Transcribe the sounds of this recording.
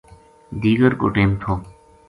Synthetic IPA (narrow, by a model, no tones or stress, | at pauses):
d̪iːɡəɾko̰ːʈeːmt̪ʰoː